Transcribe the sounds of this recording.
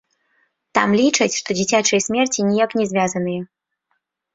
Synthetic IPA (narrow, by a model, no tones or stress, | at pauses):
t̪a̰mlʲit͡ʂɐt͡sʲʂt̪ɔd͡zʲit͡sʲat͡ʂɐjsʲmʲɛrt͡sʲinʲijaknʲɛzʲvʲjazɐnɨjɛ